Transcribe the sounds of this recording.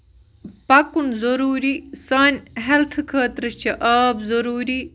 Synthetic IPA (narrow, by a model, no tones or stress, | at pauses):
pɐkunzɐɾuːɾisɐnɦelt̪ʰkʰɐːt̪ɾət͡ʃʰɐʔɐːbzɐɾuːɾi